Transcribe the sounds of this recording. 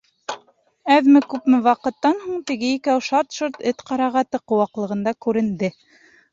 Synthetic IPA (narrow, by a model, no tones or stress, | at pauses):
æðmɘkʉpmɘwɑqɤ̆t̪ːɑnhuɴt̪ɘ̆ɡɘikæwʃɑɾt̪ʃoɾt̪ɘt̪qɑɾɑʁɑt̪ɤqŏwɑqlˠɤ̆ʁɤ̆nd̪ɑkʉɾɘ̆nd̪ɘ